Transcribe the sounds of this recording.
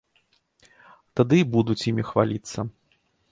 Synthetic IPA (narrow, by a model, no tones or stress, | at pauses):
t̪ad̪ɨbud̪ut͡sʲjimʲixva̰lʲit̪sːɐ